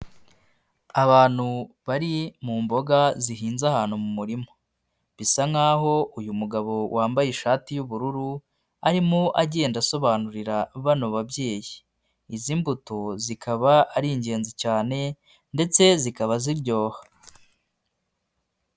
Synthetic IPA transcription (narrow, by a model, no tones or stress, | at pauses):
aβaːn̥huβaɾimuːmbo̞ɡaziɦiːnzahaːn̥humumuɾimo̞̥ | βisaŋaːɦo̞ujumuɡaβo̞wʔaːmbajiʃaːtijuβuɾuɾu | aɾimoʔaɟe̞ːndaso̞βaːnuɾiɾaβanoβabje̞ːji | izimbutozikʰaβaːɾiɲɟe̞ːnzicaːne̞ | nde̞t͡se̞zikaβaziɾɟo̞ːha